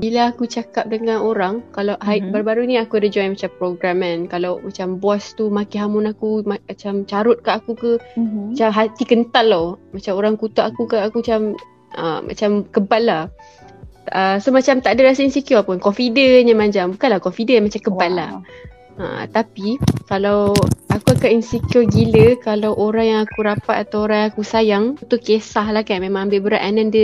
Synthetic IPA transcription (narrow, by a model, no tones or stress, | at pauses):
bilaːkut͡ʃakap̚dəŋanoɾaŋkalawɦabaɾubaɾuniakuadad͡ʒɔjnmat͡ʃampɾoɡɾamə̃nkalawmat͡ʃambɔast̪umakiɦamʊnakumaat͡ʃamt͡ʃaɾʊt̪̚kaakukəmat͡ʃamɦat̪ikənt̪alawmat͡ʃamoɾaŋkut̪aʔakukaakuat͡ʃam | ə̰mʔa̰t͡ʃamkəballah | əsomat͡ʃamt̪aʔdəɾasainsikjɔpʊnkɔfidəɲəmãɲd͡ʒambukanlahkɔfidəmat͡ʃamkəbalːa̰h | ə̰t̪apikalawʔakuakaʔinsikiɔɡiləkalawʔoɾaŋjaŋakuɾapat̪̚at̪awoɾaŋakusajaŋunt̪ʊʔkesahlahkanmemãŋambɪʔbəɾa̰ʔanandə